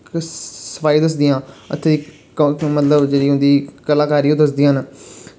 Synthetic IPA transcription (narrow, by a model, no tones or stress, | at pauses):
səfaːid̪əs̬d̪ijãːə̰t̪ʰːeːiː | mət̪ləbd͡ʒeːɽiːɦʊ̃nd̪iːkəlaːkaːɾiːoːd̪əsd̪iːãn